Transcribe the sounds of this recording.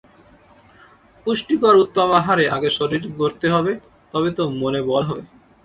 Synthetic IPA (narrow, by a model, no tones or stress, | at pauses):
puʃʈikoɾut̪ːomaɦaɾeʔaɡeʃoɾiʈɡoɾt̪eɦɔbe | t̪ɔbet̪omonebɔlɦɔe